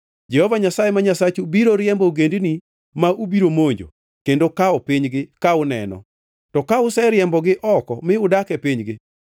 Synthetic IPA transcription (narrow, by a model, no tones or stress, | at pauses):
d͡ʒɛhovaɲasajemaɲasat͡ʃubiɾoɾjɛmboɡendni | maubiɾomoɲd͡ʒo̰ | kendokaɔpiɲɡɪkaʊnɛ̰nɔ̰ | tɔkaʊsɛɾɪjɛmbɔɡɪʔɔkɔmɪʊdakɛpiɲɡɪ